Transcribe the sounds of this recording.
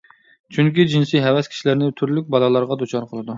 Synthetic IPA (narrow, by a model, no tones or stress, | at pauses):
t͡ʃʰyŋkʲid͡ʒinsiɦɛwɛskʲʰi̥ʃilɪɾnɪt̪ʰyɾlyk̚ʲbɑlˠɑlˠɑɾʁɑd̪ut͡ʃʰɑɾqʰəlˠɨd̪u